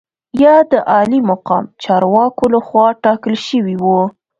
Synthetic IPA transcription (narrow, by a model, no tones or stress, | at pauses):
jɑd̪əʔɑlimʊqɑmt͡ʃɑɾwɑkolaxwɑʈɑkəlʃəwiwu